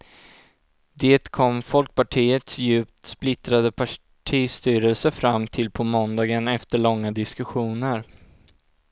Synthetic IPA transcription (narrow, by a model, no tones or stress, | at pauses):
d̪eːt̪kʰɔmːfɔlk̚paʈʰiːət̪sjʉ̟ːpt̪splɪt̪ɾad̪əpʰa | ʈʰiːst̪yːɾəlsəfɾamːt̪ʰɪlpʰɔmɔnd̪ɑːɡənɛft̪əɭɔŋːad̪ɪskɵɧuːnəɾ